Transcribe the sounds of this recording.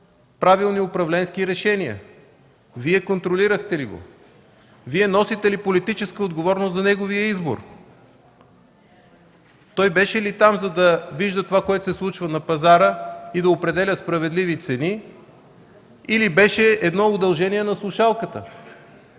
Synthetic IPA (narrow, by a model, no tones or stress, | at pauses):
pɾavilˠniʊpɾɐvlɛnskiɾɛʃɛniə̰ | viɛkont̪ɾoliɾəxt̪ɛliɡo̰ | viɛnɔsit̪ɛlipolit̪it͡ʃɛskəod̪ɡovɔɾnoszɐnɛɡovijəizbo̰ɾ | t̪ɔjbɛʃɛlit̪amzɐd̪ɐviʒd̪ət̪ovakoɛt̪ʊ̥sɛslˠut͡ʃvənɐpɐzaɾəid̪ɐopɾɛd̪ɛlʲəspɾɐvɛd̪livit̪sɛni | ilibɛʃɛɛd̪nɔʊd̪ɐlˠʒɛniɛnɐslˠʊʃalˠkət̪ə